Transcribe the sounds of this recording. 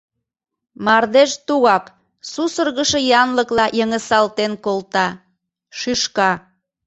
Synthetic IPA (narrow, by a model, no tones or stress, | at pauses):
mɑrd̪eʃt̪uɣɑk | susərɣəʃə̆jɑnləklɑjəŋəsɑlt̪enkolt̪ɑ | ʃyʃkɑ